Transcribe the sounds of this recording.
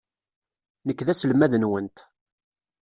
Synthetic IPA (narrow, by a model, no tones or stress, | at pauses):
nəkːðæsəlmæðnwənt̪